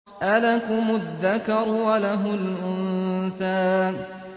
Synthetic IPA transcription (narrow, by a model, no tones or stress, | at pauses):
ʔalakʊmʊðːakɑɾˤwalaɦʊlʔʊnθaːn